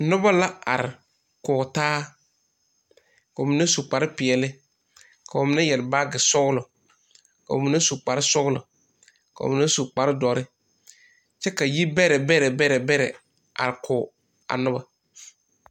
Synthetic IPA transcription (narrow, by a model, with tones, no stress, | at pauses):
nʊ˦ba˦la˦a̰˨ɾɪ˨ | kʊː˨taː˦ | ka˨o˨mi˨˦na˦su˨k͡pa˨ɾɪ˦pɪ˨ɛ˨lɪ˦ | ka˨ʊ˨mɪ˨˦na˦jɛ˨lbaː˦ɡɪ˨sʊ˦ɣlʊ˨ | ka̰˨o̰˨mi˨˦na˦su˨k͡pa˨ɾɪ˦sʊ˦ɣlʊ̰˨ | ka̰˨o̰˨ɪ˨na˦su˨k͡pa˨ɾɪ˦dɔ˨ɾɪ˦ | t͡ʃɛ˦ka˨ji˦bɛ˦ɾɛ˨bɛ˦ɾɛ˨bɛ˦ɾɛ˨bɛ˦ɾɛ̰˨ | a̰˨ɾɪ˨kʰʊː˨ | a̰˨nʊ˦ba˦